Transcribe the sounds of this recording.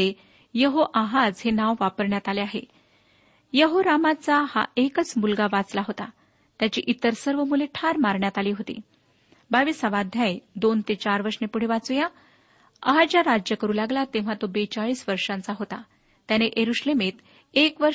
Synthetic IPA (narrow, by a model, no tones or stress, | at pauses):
e | jəɦoʔaɦad͡zɦenaʋʋapəɾɳjat̪aleaɦḛ | jəɦoɾamat͡saha̰ʔekət͡smulɡaʋat͡slaɦot̪a | t̪jat͡ɕḭːʔit̪əɾsəɾʋəmuleʈʰaɾmaɾɳjat̪aliːɦot̪ḭː | baʋiːsaʋad̪ʱjajd̪ont̪et͡ɕaɾʋəɾʂnepuɽ̤eʋat͡suja | ə̰ɦad͡ʑaɾad͡ʑjəkəɾuːlaɡlat̪ẽʋ̤at̪obet͡ɕaɭiːsʋəɾʂãnt͡saɦot̪a̰ | t̪janeʔeɾuɕlemet̪ | ekʋə